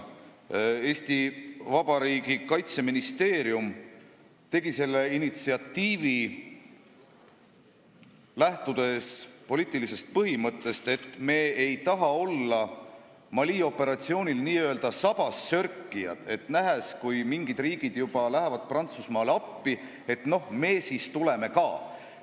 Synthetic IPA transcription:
e̞ːsʲt̪ivɑb̥ɑɾiːɡ̥ikɑjt̪se̞minist̪e̞ːɾium | t̪e̞ɡ̥ise̞lːe̞init̪siɑt̪ːiːvi | læht̪ud̪̥e̞spo̞liːt̪ːˑilisest̪̚pɤɦimɤt̪ːe̞st̪e̞t̪ːˑme̞ːejt̪ɑɦɑo̞lːɑ | mɑliːo̞pːˑe̞ɾɑt̪sio̞ːnʲilniːøld̪̥ɑsɑb̥ɑsːø̞ɾkːˑijɑ̰d̪̥e̞t̪ˑnæɦeskujmiŋɡid̪̥riːɡ̥id̪̥jub̥ɑlæɦevɑd̪̥̚prɑnt̪susmɑːleɑpːi | e̞t̪no̞hme̞ːsiːst̪ule̞me̞kɑː

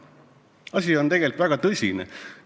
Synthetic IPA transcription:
ɑsʲio̞nt̪e̞ɡ̥e̞lt̪væɡ̥ɑt̪ɤsʲinḛ

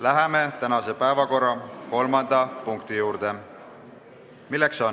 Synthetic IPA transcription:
læɦeme̞t̪ænɑse̞pæevɑko̞rːɑko̞lmɑnd̪̥ɑpuŋkt̪ijuːɾd̪̥e̞ | milːe̞kso̞n

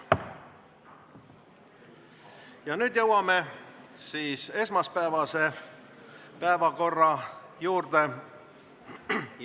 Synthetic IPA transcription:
jɑnyːd̪jɤwɑme̞siːse̞smɑspæevɑse̞ | pæevɑko̞rːɑjuːrd̪e̞

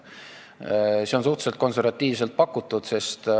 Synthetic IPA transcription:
seo̞nsuht̪se̞lt̪̚ko̞nse̞rvɑt̪ːˑiːvselt̪̚pɑkːut̪ːˑud̪̥se̞st̪

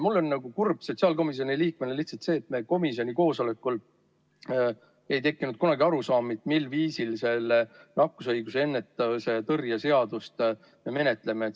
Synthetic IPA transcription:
mulːo̞nːɑɡ̥ukurb̥so̞t̪ʲsiɑːlko̞mis̬io̞niliːk̚meneliht̪sɑlt̪se̞ːt̪ːme̞ko̞misio̞nʲiko̞ːso̞le̞kːˑul | e̞jt̪e̞kˑːinud̪̥̚kunɑɡiɑɾusɑːmit̪milːviːsilse̞lːenɑkːˑus̬ɤjɡ̥usee̞nːe̞t̪ːˑɑset̪ɤrjɑse̞ɑd̪̥ust̪ | jɑme̞ne̞t̪ˑle̞met̪

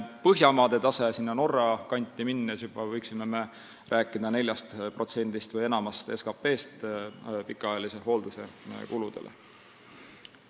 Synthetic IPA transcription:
pɤɦjɑmɑːd̪̥e̞t̪ɑse̞sinːɑno̞rːɑkɑnʲt̪ːˑiminːes̬jubɑvɤjksime̞me̞ | rʔæːkːˑid̪ɑne̞lʲjɑst̪pro̞t̪se̞nʲd̪̥ist̪vɤje̞nɑmɑst̪e̞skɑpːe̞ːst̪pikːˑɑɑjɑlise̞ɦo̞ːld̪̥use̞kulud̪̥elʔḛ

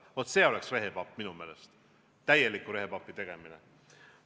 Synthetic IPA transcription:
vot̪ːˑse̞ːo̞leksre̞ɦepɑpːˑminume̞ːlest̪ | t̪ːæje̞likːˑuɾe̞ɦepɑpːˑit̪e̞ɡ̥e̞mine

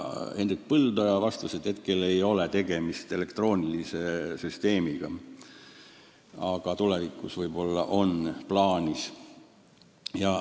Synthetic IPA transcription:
e̞nd̪ek̪̚pɤld̪ɑjɑvɑst̪used̪̥he̞t̪̚ke̞le̞jo̞let̪e̞ɡ̥e̞mist̪e̞le̞kt̪ro̞ːnʲilise̞syst̪e̞ːmiɡ̥ɑ | ɑɡ̥ɑt̪ule̞vikːˑusvɤjbo̞lːɑ̰ʔo̞nplɑːnʲis | jɑ

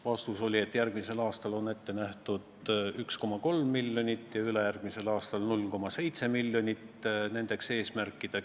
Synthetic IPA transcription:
vɑst̪uso̞lʲie̞t̪ːˑjærɡ̥mise̞lɑːst̪ɑlo̞ne̞t̪ːe̞næht̪ud̪yksko̞mɑko̞lmːiljo̞nʲit̪ːˑjɑylejærɡ̥mise̞lɑːst̪ɑlnulːko̞mɑse̞jt̪se̞milːjo̞nʲit̪ːˑne̞nd̪̥e̞kse̞ːsmærkːˑid̪̥e̞

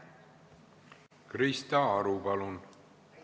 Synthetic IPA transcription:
krist̪ɑɑɾubɑlun

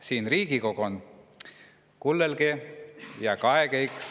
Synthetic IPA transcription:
siːnriːɡ̥iko̞kon | kulːelɡejɑkɑekejks

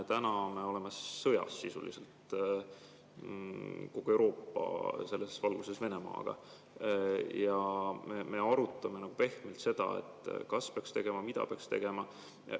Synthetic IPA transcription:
t̪ænɑme̞o̞le̞mesɤjɑ̰sːisṵlḭselt̪ | ko̞ɡ̥ue̞wɾʔo̞ːpːˑɑ̰se̞lːesvɑlɡ̥use̞sve̞ne̞mɑ̰ːɡ̥ɑ̰ | jɑmeme̞ɑɾut̪ːˑɑme̞nɑɡ̥upe̞hmelt̪se̞d̪̥ɑ̰e̞̰t̪ːˑkɑspeɑkst̪e̞ɡ̥e̞mɑmid̪̥ɑ̰peɑkst̪e̞̰ɡ̥e̞mɑ

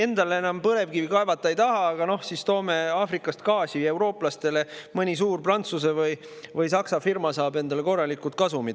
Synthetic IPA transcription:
e̞nd̪̥ɑlee̞nɑmpɤle̞vɡ̥ivikɑe̞vɑt̪ːˑɑejt̪ɑɦɑɑɡ̥ɑno̞hsist̪o̞ːme̞ɑːfrikːˑɑst̪kɑːsʲiewɾo̞ːplɑst̪e̞le̞mɤnʲis̬uːrprɑnt̪sus̬evɯj | vɯjsɑksɑfirmɑsɑːbe̞nd̪ɑle̞ko̞rːɑlikːˑut̪̚kɑsumid̪

